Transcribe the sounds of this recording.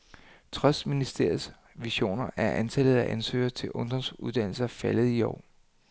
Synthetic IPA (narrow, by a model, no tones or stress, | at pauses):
t͡sʰʁœsd̥minisd̥e̝ɐ̰s | ʋiɕo̝̰ːnɐʔæɐʔænt͡sʰælð̞̩ˠæʔænsø̰ːɐt͡sʰe̝lʔɔ̽nd̥ɒ̽msuðˠd̥æn̰l̩sɐfæləð̩ˠiɒ̰ː